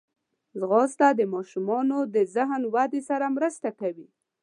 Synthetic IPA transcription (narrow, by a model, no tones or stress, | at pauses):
zɣɑst̪ad̪əmɑʃumɑnod̪əzaɦnwad̪esaɾamɾəst̪akawi